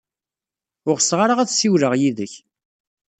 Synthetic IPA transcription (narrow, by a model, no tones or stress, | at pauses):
ʊʁsʁaɾaʁæðsiwɾəʁjiðəç